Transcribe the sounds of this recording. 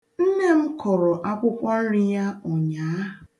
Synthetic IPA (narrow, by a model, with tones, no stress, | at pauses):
n̩˦ne˦m̩˦kɔ˨ɾɔ˨ʔa˦kʷʊ˦kʷa˦n̩˦ɾɪ˦ja˦ɔ˨ɲaː˨˦ɦ